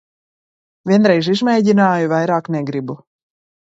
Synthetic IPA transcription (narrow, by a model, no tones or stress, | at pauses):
vʲiɛnɾɛjʒizmʲɛjɟinaːjuvajɾaːknɛɡɾibu